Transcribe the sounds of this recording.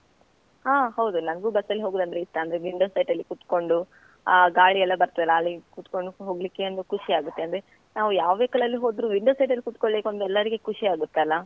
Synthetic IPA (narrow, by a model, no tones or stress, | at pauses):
haːɦɐwd̪unɐnɡuːbɐsːɐlːiɦoːɡuːd̪ɐnd̪ɾeiʂʈːɐɐnd̪ɐɾeʋiɳɖoːsɐjʈɐlːikuːt̪ko̞ɳɖu | ɡaːɭiɛlːɐbɐɾt̪ɐʋɛlːɐːlːikut̪koɳɖuɦoːɡlikːe̞ɐnd̪ukuʂiaːɡut̪ːe̞ɐnd̪ɾe | naːʋujaːʋʋeːkɐɭɐlːiɦo̞ːd̪ɾuʋiɳɖoːsɐjʈɐlːikuːt̪koɭbeːkond̪ɛlːɐɾiɡekuʂiaːɡut̪ːalːɐ